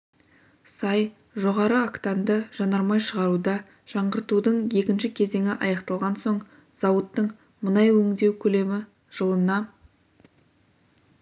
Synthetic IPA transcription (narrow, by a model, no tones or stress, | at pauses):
sɑj | ʒoʁɑɾəakt̪ɑnd̪əʒɑnɑɾmɑjʃəʁɑɾud̪ɑ | ʒ̥ɑɴʁəɾt̪ud̪əɴje̞kʲɪnʃɪkʲʰe̞ze̞ŋɪʔɑjɑqt̪ɑlˠʁɑnso̞ɴ | z̥ɑwət̪ːəɴ | mənɑjwɵŋd̪e̞wkʲʰɵle̞mɪ | ʒ̥əlˠənɑ